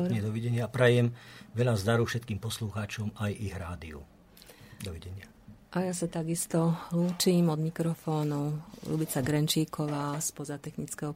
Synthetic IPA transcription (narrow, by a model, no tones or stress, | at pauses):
ɲɛd̪ɔʋɛɟɛɲɪapɾɛjɛmʋɛʎazd̪aɾufʃɛt̪kiːmpɔsluxaːt͡ʃɔmajiɣɾaːd̪iṵ | d̪ɔʋɛɟɛɲɪa | ʔajasat̪aɡist̪ɔluːt͡ʃiːmɔd̪mikɾɔfɔːnulṵbit͡saɡɾɛnt͡ʃiːkɔʋaːspɔzat̪ɛxnit͡skɛɦɔ